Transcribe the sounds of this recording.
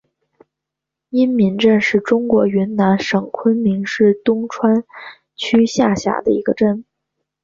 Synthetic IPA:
i˥nmi˧˥ŋʈ͡ʂə˥˧nʂɻ̩˥˩ʈ͡ʂʊ˥ŋkwɔ˧˥ɥy˧˥nna˧˥nʂɤ˨˩ŋkʰwə˥nmi˧˥ŋʂɻ̩˥˩t̪ʊ˥ŋʈ͡ʂʰwa˥n | t͡ɕʰy˥ɕja˥˩ɕja̰˨˧˩d̪ə̰˦i˧˥ɡə˧ʈ͡ʂə˥˩n

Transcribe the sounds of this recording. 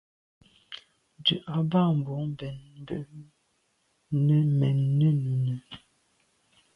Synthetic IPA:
d͡ʒʉ˨ʔa˨ba˦˨m̩˨bɔ˨˦m˨bɛ˨n̩˦bə˨ʔ | nə˦mɛ˨nːə˦nu˨nə˨

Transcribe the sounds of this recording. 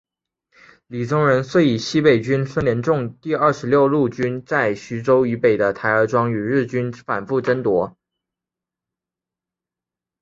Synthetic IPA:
li˨˩ʈ͡ʂʊ˥ŋɻə˧˥nswe˥˩ɪi˨˩ɕi˥pe˨˩ɪt͡ɕy˥nsə˥nljɛ˧˥nʈ͡ʂʊ˥˧ŋt̪i˥˧ə˞˥˩ʂɻ̩˧˥ljo˥˧ʊlu˥˩t͡ɕy˥nt͡sa˥˩ɪɕy˧˥ʈ͡ʂo˥ʊy˧˥pe˨˩ɪd̪ə˦t̪ʰa˧˥ɪə˞˧˥ʈ͡ʂwɑ˥ŋy˨˩ɻɻ̩˥˩t͡ɕy˥nfa˨˩nfu˥˩ʈ͡ʂə˥nt̪wɔ˧˥

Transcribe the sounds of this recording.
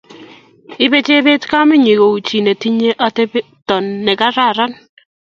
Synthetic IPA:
ɪ˦be˦t͡ʃe˦be˦tka˦mɪ˦ɲi˨ko˨u˨t͡ʃi˨ne˨ti˦ɲe˦ʔa˦te˦b | tɔ˨nːɛ˨ka˦ɾa˦˨ɾa˦n

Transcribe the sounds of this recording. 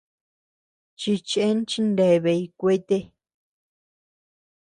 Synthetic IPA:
t͡ʃi˧t͡ʃe˦n˦t͡ʃi˧˦nde˧˨βe˧i˧kʷe˦t̪e˦

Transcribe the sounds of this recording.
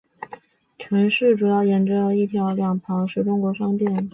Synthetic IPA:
ʈ͡ʂʰwə˧˥nʂɻ̩˥˩ʈ͡ʂu˨˩jɑ˥˩ʊjɛ˧˥˩nʈ͡ʂɤ˧˥˧i˥˩t̪ʰjɑ˧˥ʊljɑ˨˩ŋpʰɑ˧˥ŋʂɻ̩˥˩ʈ͡ʂʊ˥ŋkwɔ˧˥ʂɑ˥ŋpjɛ˥˩n

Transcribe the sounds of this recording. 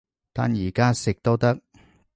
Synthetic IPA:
t̪aː˨njiː˨˩kaː˥sɪ˨k̚t̪o˥wt̪ɐ˥k̚

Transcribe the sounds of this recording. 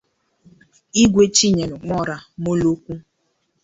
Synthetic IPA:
i˦ɡʷe˦t͡ʃi˦ɲe˨nʊ˨ŋɔ˦ɾa˨mo˦lo˦kʷu˦

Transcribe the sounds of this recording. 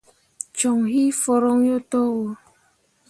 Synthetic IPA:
t͡ʃɔ˨ŋɦi˦fɔ˨ɾɔ˦ŋ˦jo˦tɔ˦wo˨

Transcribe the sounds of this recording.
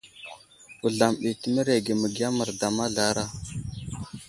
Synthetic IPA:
u˨ɮa˨mɓi˨tə˨mə˦ɾe˨ɡe˨mə˨ɡi˦a˦mə˨ɾda˨ma˦ɮa˦ɾa˦

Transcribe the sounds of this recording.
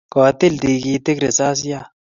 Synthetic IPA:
kɔː˨t̪ɪ˦ld̪iː˨ɡiː˨t̪ɪ˦kɾɪ˨saː˦s̬ja˦

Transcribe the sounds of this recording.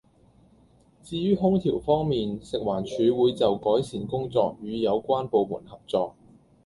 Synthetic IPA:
t͡siː˧jyː˥ɦʊ˥ŋt̪ʰiː˨˩wfɔː˥ŋmiː˨nsɪ˨k̚waː˨˩nt͡ʃʰyː˨˧wuː˨˧jt͡sɐ˨wkɔː˨˥jsiː˨˩nkʊ˥ŋt͡sɔ̰ː˧k̚jyː˨˧jɐ˨˧wkʷaː˥npo˨˧wmṵː˨˩nhɐ˨p̚t͡sɔː˧k̚

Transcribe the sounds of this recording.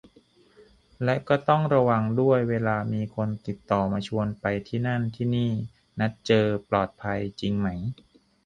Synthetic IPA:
lɛ˦˥kɔː˥˩t̪ɔ˥˩ŋɾa˧wa˧ŋdu˥˩əjweː˧laː˧miː˧kʰo˧nt̪i˨˩t̪ːɔː˨˩maː˧t͡ɕʰu˧ənpa˧jt̪ʰiː˥˩na˥˩nt̪ʰiː˥˩niː˥˩ | na˦˥t̪̚t͡ɕɤː˧plɔː˨˩t̪̚pʰa˧jt͡ɕi˧ŋma˦˥j

